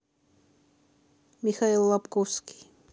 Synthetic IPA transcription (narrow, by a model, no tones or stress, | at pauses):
mɪxaelːapkoski̥